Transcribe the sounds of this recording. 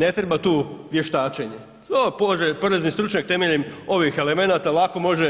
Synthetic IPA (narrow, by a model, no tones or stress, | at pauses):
ne̞t̪ɾebat̪uːʋje̞ʃt̪aːt͡ʃeɲe | opoʒepoɾeznist̪ɾut͡ʃɲak̚t̪e̞meʎemo̞ʋixe̞le̞me̞naːt̪alˠako̞mo̞ʒe